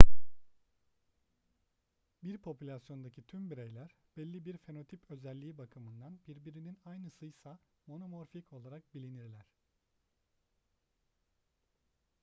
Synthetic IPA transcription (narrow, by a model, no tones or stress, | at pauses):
biɾpʰo̞pylʲasjo̞nd̪acʰit̪ʰymbiɾejlʲæɾ̥b̥ɛlʲːibiɾfe̞no̞t̪ʰipʰø̞zɛlʲːiːbakʰɯmɯnd̪anbiɾbiɾininajnɯsɯjsa | mo̞no̞mo̞ɾfikʰo̞lˠaɾak̚bilʲiniɾlʲæɾ̥